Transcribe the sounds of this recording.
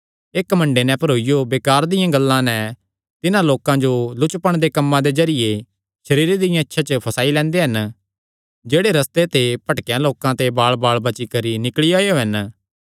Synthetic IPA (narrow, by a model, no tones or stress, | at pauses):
eːkmɐ̃ɳɖenɛ̃pʰɐɾoːɪjobeːkaːɾd̪ɪjãɡɐlːãnɛ | t̪ɪnãloːkãd͡ʒolʊt͡ʃpəɽ̃d̪ekɐmːãd̪ezɐɾɪje | ʃɐɾiːɾed̪ɪjãɪtːʃʰat͡ʃəpʰɐsaːilɛ̃ːnd̪eɦɐn | d͡ʒeːɽeɾɐst̪et̪epɐʈkjãloːkãt̪ebaːɭbaːɭbɐt͡ʃikɐɾinɪkɭiaːjoɦɐn